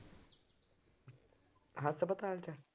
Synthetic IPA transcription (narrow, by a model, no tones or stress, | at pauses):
ɦasəbət̪alt͡ɕa